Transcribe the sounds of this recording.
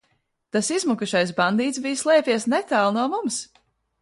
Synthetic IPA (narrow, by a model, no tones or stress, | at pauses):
t̪asizmukuʃajs̬band̪iːt̪sbijslˠɛːpʲiɛsnɛt̪aːlˠnuɔmums